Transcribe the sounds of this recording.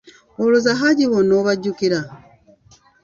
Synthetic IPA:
oluzaɦaɟiβonoβaɟːukiɾa

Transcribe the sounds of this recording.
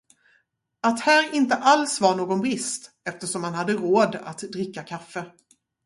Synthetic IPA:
at̪hæːɾɪnt̪əʔalsvaɾɳoːɡɔnbɾɪst̪ | ɛft̪əʂɔmhanhad̪ːəɾoːd̪a̰t̪d̪ɾɪkːakʰafːə

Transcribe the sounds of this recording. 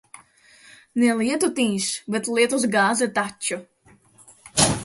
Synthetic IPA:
nɛlˠiɛt̪ut̪iːʃbet̪liɛt̪usɡaːzɛt̪at͡ʃːu

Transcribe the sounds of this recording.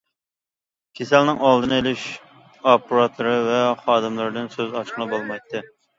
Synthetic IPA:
kʲʰesɛlnɪŋɑlˠd̪ɨnɨelɪʃ | ɑpuɾɑt̪ʰɨɾɨvɛχɑːd̪ɨmlˠɨɾɨd̪ɨnsøzɑt͡ʃqʰəlˠɨbolˠmɑjt̪ʰːɨ

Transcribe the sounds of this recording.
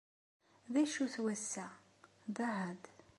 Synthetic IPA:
ðæʃuθwæsːæ | ðˤaʕəð

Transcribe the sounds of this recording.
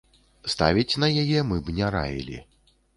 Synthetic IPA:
st̪avʲit͡sʲnɐjajɛmɨbnʲɛɾa̰jʲḭlʲḭ

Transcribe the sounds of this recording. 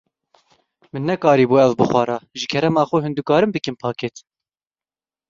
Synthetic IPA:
mɨnːɛkɑːɾiːbuːɛvbɨxʷwʷɑːɾɑːʒɨkʰɛɾɛmɑːxʊɦɨnd̪ukɑːɾɨmbɨkɨmpʰɑːket̪

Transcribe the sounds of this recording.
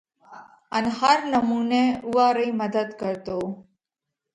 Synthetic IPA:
ənhəɾnəmuneuʋaɾəiməd̪əd̪kəɾt̪o

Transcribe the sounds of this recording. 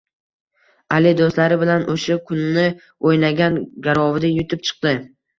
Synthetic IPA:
alɪd̪ost̪laɾɪbɪlanoʃakʰʊnːɪ | ojnaɡʲanɡʲaɾɒvɪd̪ajʊt̪ʰɪp̚t͡ʃʰɨ̥q̚d̪ɪ

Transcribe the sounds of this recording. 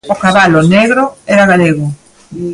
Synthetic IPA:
okaβaloneɣɾoɛɾaɣaleɣʊ

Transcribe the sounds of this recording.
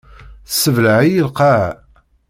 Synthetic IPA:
səvləʕijilqaʕ

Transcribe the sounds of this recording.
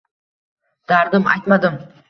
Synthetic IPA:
d̪̥aɾd̪ɪma̰jt̪mad̪ɪm

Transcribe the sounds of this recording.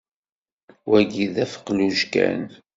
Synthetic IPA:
wæɡiðæfə̥qːluʒkæ̰n

